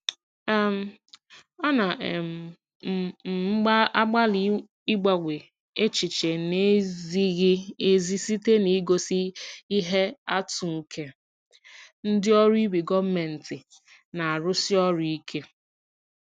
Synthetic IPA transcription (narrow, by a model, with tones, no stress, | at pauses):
m̩˨˦ | ɔ˦na˨m˨˦ | ɡ͡ba˦a˦ɡ͡ba˦li˨ | i˦ɡ͡ba˨ɡʷe˨ | e˦t͡ʃi˨t͡ʃe˨ne˦zi˦ɣɪ˦e˦zi˦si˦te˦ni˨˦ɡo˨si˦i˦ɦe˦a˦tu˨ŋ̩˨kʰe˦ | n̩˦dɪ˦ɔ˦ɾi˦bi˨ɡɔ˦m̩˦me˨n̩˨tɪ˨ | na˨a˨ɾʊ˦sɪ˦ɔ˦ɾi˦i˦kʰe˦